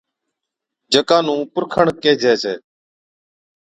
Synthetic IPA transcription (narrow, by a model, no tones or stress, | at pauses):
d͡ʒəkãːnũːpʊɾkʰəɳkeːd͡ʒʱeːseː